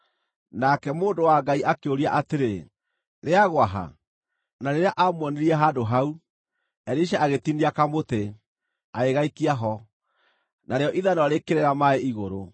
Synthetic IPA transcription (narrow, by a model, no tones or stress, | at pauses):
nakɛmoːndowaɡaiʔakeoɾiaʔateɾe | ɾeaɣwaɦa̰ | naɾeɾeaʔamwɔneɾiɛɦaːdoɦau | ɛɾeiʃ̬aaɣetiniakamote | aeɣaikiaɦɔ | naɾejɔʔiðanɔɾekeɾeɾamaeiɣoɾo